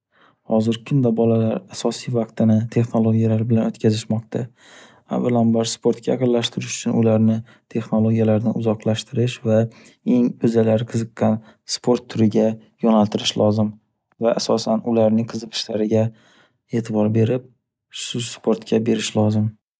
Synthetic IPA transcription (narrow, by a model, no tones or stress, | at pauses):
hɒ̰zɪɾkʲʰɪmd̪abɒlalaɾasɒsijvɑqt̪ɪnɪt̪ʰe̞χno̞lˠoɡʲijalaɾbɪlanot̪kʲʰazɪʃmɒq̚t̪ʰa | a̰vːalambaɾspʰo̞ɾt̪̚kʲʰajɑqɨnllaʃt̪ʰɪɾɪʃʊ̥t͡ʃʰʊnʊlaɾnɪ | t̪ʰe̞χnolˠoɡʲijalaɾnɪʔʊzɒqlaʃt̪ʰɪɾɪʃva | e̞ŋɵzalaɾqʰɨzɨqːɑn | spʰo̞ɾt̪ʰːʊɾɪɡʲa | jɒnalt̪ʰɪɾɪʃlʔɒzɪm | vaʔasɒsanʊlaɾnɪŋqʰɨzɨqʰɨ̥ʃlaɾɪɡʲa | e̞t̪ʰɪbɒɾbe̞ɾɪp̚ | ʃʊspʰo̞ɾt̪kʲabe̞ɾɪʃlɒzɪm